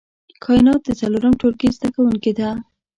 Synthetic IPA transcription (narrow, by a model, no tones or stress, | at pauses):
kʰɑɪnɑt̪̚d̪ət͡saloɾəmʈolkezd̪akawuŋked̪a